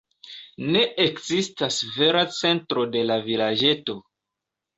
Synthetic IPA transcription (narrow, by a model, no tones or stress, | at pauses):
ne̞ekzistasve̞ɾat͡se̞ntɾo̞de̞lavilad͡ʒe̞to̞